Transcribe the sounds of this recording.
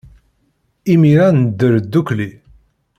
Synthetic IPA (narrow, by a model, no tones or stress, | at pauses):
imiɾanəd̪ːəɾd̪ːukli